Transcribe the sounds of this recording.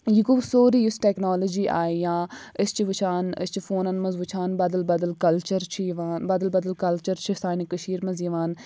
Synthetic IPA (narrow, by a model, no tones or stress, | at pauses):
jikuʋsoːɾijusʈeːknɔːləd͡ʒiːʔa̰ːjãːɪst͡ʃʰiʋut͡ʃʰaːnɪ̰st͡ʃʰifoːnɐnmɐzʋut͡ʃʰaːnbɐd̪ɐlbɐd̪ɐlkɐlt͡ʃɐɾt͡ʃʰijiʋaːnbɐd̪ɐlbɐd̪əlkɐlt͡ʃɐɾt͡ʃʰisaːnikəʃiːɾmɐzjiʋaːn